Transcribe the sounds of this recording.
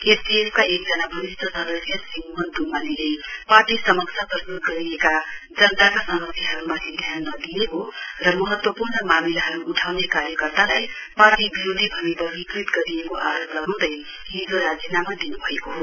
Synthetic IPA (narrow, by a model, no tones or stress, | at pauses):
epʰiepʰkaek̚d͡zʌnabʱʌɾisʈ̪ʰʌsʌd̪ʌsjʌsiŋɦʌnd̪umalilejparʈisʌmʌkt͡sʰaprʌst̪ut̪̚ɡʌɾiekad͡zʌnt̪akasʌmʌsjaɦʌɾumat̪ʰid̪ʱjanːʌd̪ijeɦorʌmʌɦʌt̪wʌpurnʌmamilaɦʌɾuʔuʈʰawnekaɾjʌkʌrt̪alaj | parʈibiɾod̪ʱibʱʌmibʱʌbikrit̪ɡʌɾiekoʔaɾoplʌɡaw̃d̪ʌj | ɦind͡zoɾad͡zinamad̪inubʱʌekoɦo